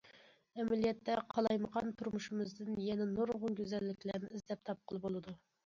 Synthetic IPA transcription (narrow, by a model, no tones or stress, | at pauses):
ɛmɛlijɛt̪ːɛqʰɑlˠɑjməʁɑnt̪ʰuɾmuʃumɨzd̪ɨnjɛnɛnoɾʁʊŋɡʲøzɛlːɪkʲlæɾnɪizlɛp̚t̪ʰɑp̚qʰəlˠɨbolˠɨd̪u